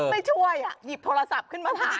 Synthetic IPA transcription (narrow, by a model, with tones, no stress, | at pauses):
ma˥˩jt͡ɕʰu˥˩əjʔa˨˩ji˨˩p̚t̪ʰoː˧a˧sa˨˩p̚kʰɯ˥˩nmaː˧t̪ʰːa˧˩